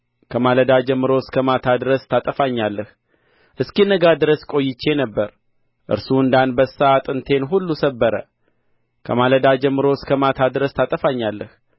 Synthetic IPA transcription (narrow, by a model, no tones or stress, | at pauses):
kʰəmaləd̪ad͡ʒɛmːɨɾoskʰəmat̪ʰad̪ɨɾəst̪ʰat̪ʼəfaɲːalːəh | ʔɨskinəɡad̪ɨɾəskʼo̞jːɪt͡ʃːe̞nəbːəɾ | ʔɨ̰ɾsuɨnd̪anbəsːaat̪ʼɨnt̪ʰe̞nɦulːusəbːəɾə̰ | kʰəmaləd̪ad͡ʒɛmːɨɾo̞skʰəmat̪ʰad̪ɨɾəst̪ʰat̪ʼəfaɲːalːəh